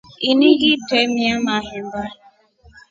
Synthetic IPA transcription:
iniɣitemiamaɦɪm̩ba

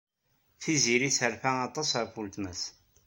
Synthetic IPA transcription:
θiziɾisəɾfæɑt̪ˤɑsəɾfult̪mæs

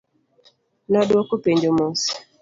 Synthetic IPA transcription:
nɔdwokupeɲd͡ʒomos

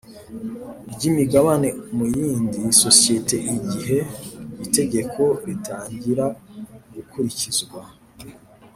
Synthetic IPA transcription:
bɟimiɡaβane̞mujiːndiso̞sie̞te̞ʔiɟiɦe̞ite̞ɟe̞kʰo̞ɾitʰaːɲɟiɾaɡukʰuɾicizɡwa

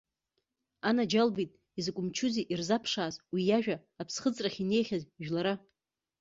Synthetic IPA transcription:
anad͡ʒalbitʼ | izkʷʼʊmt͡ʃʰuziʔirzapʰʂaːzwijaʒᶣa | apʰsχət͡sʼraχʲine̞jχʲazʒᶣlaɾa

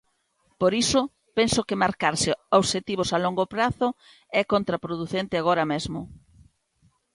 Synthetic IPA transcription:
poɾisʊ | pensokɪmaɾkaɾsɪoβʃet̪iβ̞osaloŋɡopɾaθʊ | ɛkont̪ɾapɾoðuθent̪ɪaɣ̞oɾɐmezmʊ

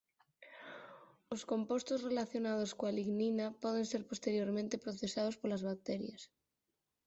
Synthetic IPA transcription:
oskompost̪ozrelaθjonað̞oskoaliɣninapɔð̞enseɾpost̪eɾjoɾmẽnt̪epɾoθesað̞ospolazβak̚t̪ɛɾjas

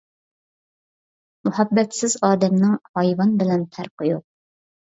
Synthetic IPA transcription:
mʊhæbːɛt̪sɪzɑːd̪ɛmnɪŋhɑjvɑnbɪlɛnt̪ʰæɾqɨjoq̚

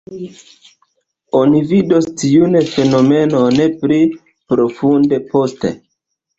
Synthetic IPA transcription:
o̞nividostiunfe̞no̞me̞no̞ne̞pli | pɾo̞funde̞po̞ste̞̰

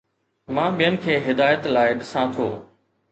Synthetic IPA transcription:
mãːɓijənɪ̆kʰeːɦɪd̪aːjət̪laːɪɗɪsãːt̪ʰo̰ː

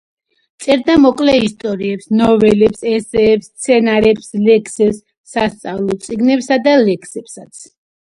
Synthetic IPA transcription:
t̪sʼɛɾd̪amɔkʼlɛist̪ʼɔɾiɛpsnɔvɛlɛpsɛsɛːpst̪sʰɛnaɾɛpslɛkʰsɛpsː | ast̪sʼavlˠɔt̪sʼiɡnɛpsad̪alɛkʰsɛpsat̪sʰ

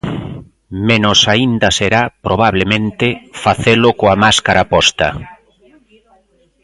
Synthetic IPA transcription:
mẽnʊsaind̪ɐseɾapɾʔoβ̞aβ̞lemẽnt̪ɪfaθelʊkoamaskaɾapɔst̪ɐ̰

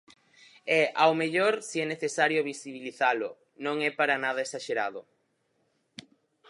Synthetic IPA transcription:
ɛʔawmeʎoɾsiɛneθesaɾjoβisiβ̞iliθalʊ | nõŋɛpaɾanað̞ɐesaʃeɾaðʊ

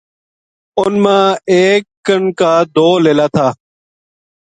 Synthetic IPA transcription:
ʊnmãːeːkːəɳkaːd̪oːleːlaːt̪ʰaː

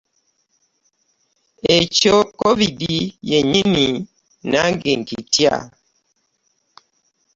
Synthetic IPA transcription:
et͡ʃokovidijeɲini | naŋɡeŋkitia̰

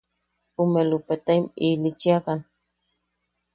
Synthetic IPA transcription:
umelupet̪aimilit͡ʃiakan

